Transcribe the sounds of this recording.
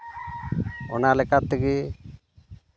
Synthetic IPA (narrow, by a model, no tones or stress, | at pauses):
ɔnalɛkat̪ːəɡi